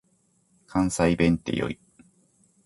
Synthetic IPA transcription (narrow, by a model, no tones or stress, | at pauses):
kʰãɰ̃saibẽ̞nt̪ḛjo̰i